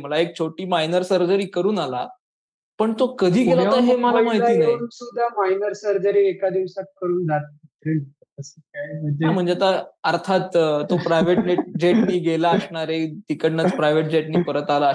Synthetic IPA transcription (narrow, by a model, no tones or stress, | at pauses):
m̤əlaek̚t͡ɕʰoʈiːmajnəɾsəɾd͡ʑəɾiːkəɾuːnala | pəɳt̪okəd̪ʱiːɡelat̪aɦemalamaɦiiːnaɾusud̪ʱːamajnəɾsəɾd͡zəɾiekad̪iʋsat̪̚kəɾuːnd͡zat̪̚t̪ɾe | əsəkajməam̤əɳd͡zeat̪aəɾt̪ʰat̪ːopɾajʋeʈneʈd͡ʑeʈniːɡelaəsɳaɾet̪ikəɽnət͡spɾajʋeʈ̚d͡ʑeʈniːpəɾət̪alaə